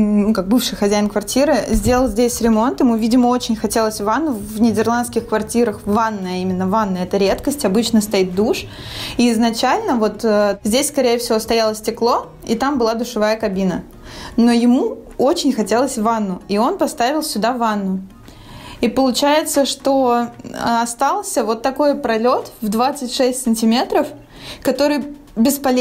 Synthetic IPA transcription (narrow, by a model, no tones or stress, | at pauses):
nukak̚bɨfʂɨjxɐzʲæjɪnkvɐrtʲiɾɨzʲdʲe̞ləlˠzʲdʲesʲɾʲɪmo̞nt̪ɪmuvʲidʲɪməo̞t͡ɕɪnʲxɐtʲe̞lˠəsʲvanːʊvnʲɪdʲɪrlˠanskʲɪxkvɐrtʲiɾəxvanːəɐimʲɪnːəvanːɨɛt̪əɾʲe̞t̪kəsʲtʲɐbɨt͡ɕnəst̪ɐit̪̚d̪uʂ | iːɪznɐt͡ɕælʲnəvo̞t̪əzʲdʲesʲskɐɾʲejəfsʲɪvʲost̪ɐjalˠəsʲtʲɪklˠo̞ | ḭt̪ambɨlˠad̪ʊʂɨvajəkɐbʲinə | no̞jɪmu | o̞t͡ɕɪnʲxɐtʲe̞lˠəsʲvanːʊio̞npɐst̪avʲɪlˠsʲʊd̪avanːʊ | ipəlˠʊt͡ɕæjɪt̪səʂt̪o̞ | ɐst̪alˠsʲəvo̞t̪ːɐko̞jpɾɐlʲo̞t̪vd̪vat̪sɨtʲʂɛsʲtʲsɨnʲtʲɪmʲe̞t̪ɾəf | kɐt̪o̞ɾɨj | bʲɪspɐlʲ